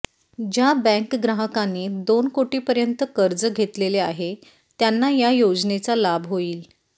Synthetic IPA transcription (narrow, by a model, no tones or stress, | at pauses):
d͡ʑjabɛ̃ŋkɡɾəɦəkanːeːd̪onkoʈiːpəɾjənt̪əkəɾd͡zəɡʱet̪leleaɦe | t̪janːajajod͡znet͡salabʱɦoiːl